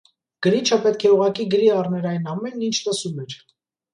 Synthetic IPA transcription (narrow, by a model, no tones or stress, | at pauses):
ɡ̥əɾit͡ʃʰəpɛt̪̚kʰɛuʁɑkiɡəɾiɑrnɛɾɑjnɑmɛnint͡ʃʰləsumɛɾ